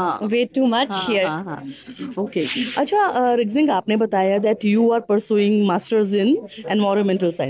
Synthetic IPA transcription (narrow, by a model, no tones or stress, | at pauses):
ɦãʋeːʈːuːmɐt͡ʃhiəɾ̰ | okeɐtːt͡ʃʰaɾɪɡzɪ̃ŋɡaːpnebɐt̪aːjad̪ɛʈjuːaːɾpəɾsjuːɪ̃ŋɡmaːsʈəɾzɪ̃nɛ̃nɖʋɔɾumɛ̃ɳʈəlsãɪ̃